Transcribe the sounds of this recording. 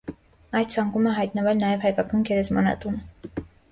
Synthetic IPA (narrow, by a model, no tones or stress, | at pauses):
ɑjd̪̚t͡sʰɑŋkuməɦɑjt̪nəvɛlnɑjɛvhɑjkɑkɑnɡɛɾɛzmɑ̰nɑ̰t̪unə